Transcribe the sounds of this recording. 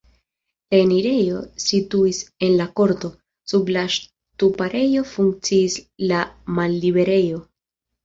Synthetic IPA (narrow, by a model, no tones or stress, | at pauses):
laeniɾe̞jo̞situise̞nlako̞ɾto̞ | sublaʃ | tupaɾʔe̞jo̞fuŋk̚t͡siːslamalːibe̞ɾe̞jo̞